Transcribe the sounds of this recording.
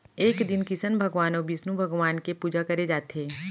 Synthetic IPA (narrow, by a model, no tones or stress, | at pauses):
eːkd̪ɪnkisənbʱɐɡʋaːnõbʱisnũbʱɐɡʋaːnkepuːd͡ʒakɐɾed͡ʒaːt̪eː